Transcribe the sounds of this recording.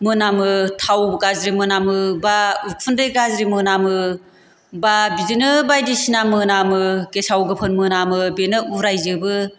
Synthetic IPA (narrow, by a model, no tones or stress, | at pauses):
mɯnamɯtʰawbɡazɾimɯnamɯbaukʰundɯjɡazɾimɯnamɯ | babizinɯbajdisinamɯnamɯkesawɡɯpʰɯnmɯnamɯbenɯuɾajzɯbɯ